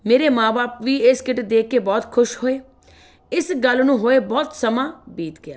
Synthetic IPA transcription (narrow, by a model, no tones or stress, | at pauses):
meːɾeːmãːbaːpʋiːɪskɪʈed̪eːkːeːbɔːt̪kʰʊʃhoːeː | ɪsɡəlnũːɦoːeːbɔːt̪səmãːbiːt̪ɡɪaː